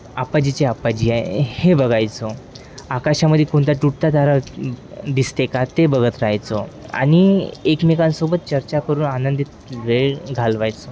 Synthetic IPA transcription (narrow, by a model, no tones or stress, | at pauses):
apad͡ʑit͡ɕeapad͡ʑiːajhebəɡajt͡sɔ | akaɕaməd̪ʱjekoɳt̪aʈuʈt̪ad̪ʱaɾa | d̪ist̪ekat̪ebəɡət̪ɾajt͡sɔa̰ñiekmekãnsobət̪̚t͡ɕəɾt͡ɕakəɾuːnanənd̪it̪̚ʋeɭɡʱalʋajt͡sɔ